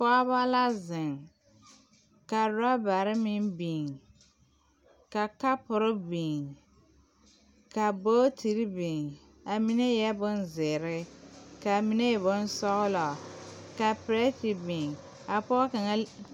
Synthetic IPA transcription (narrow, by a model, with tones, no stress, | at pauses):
pɔ˦a˦ba˦la˦zɪ˨ŋ | ka˨ɾa˦ba˨ɾɪ˦mɪ˦nbi˨ŋ | ka˨ka˦pʊ˨ɾɪ˦biː˨ŋ | ka˨boː˦tʰi˨ɾi˦bi˨ŋ | a˨mi˦ne˦jɛ˦bʊ˦nzɪ˨ɾɪ˦ka˨mi˦ne˦ɛ˨bʊ˦n˦sɔ˦ɣʊ˦lɔ˨ka˨pɪ˨ɾe˦tɪ˨bi˨ŋ | a˨pɔ˦ka˨ŋa˦